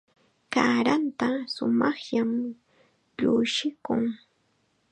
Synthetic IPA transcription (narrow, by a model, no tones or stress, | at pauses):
kaɾant̪asʊmɑχʎam | ʎʊʃɪkʊŋ